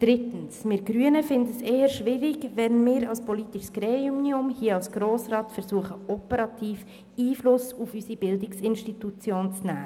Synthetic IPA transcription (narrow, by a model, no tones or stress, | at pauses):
d̥ɾɪt̪ən̩smɪɾɡ̥ɾyənəfɪndəseːəʃʋɪɾɪkʋɛnmɪːɾɑlspɔlit̪ɪʃsɡ̥ɾeːumniʊmhiəɑlsɡ̥ɾoːsɾɑːtfɛɾsuəχəɔpəɾɑt̪ʰiːf | iːflʊsufysib̥ɪldɪksɪnʃtit̪ut͡sjoːnt͡snæː